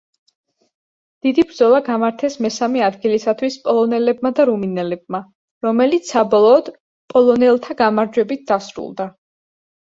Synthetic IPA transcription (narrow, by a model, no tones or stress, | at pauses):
d̪̥id̪ibɾd̪zɔlˠaɡamaɾt̪ʰɛsmɛsamɛad̪ɡilisat̪ʰwispʼɔlˠɔnɛlɛbmad̪aɾuminɛlɛb̚ma | ɾɔmɛlit̪ssːabɔlˠɔːd̪̥ | pʼɔlˠɔnɛlˠt̪ʰaɡamaɾd͡ʒwɛbit̪̚d̪asɾṵlˠd̪a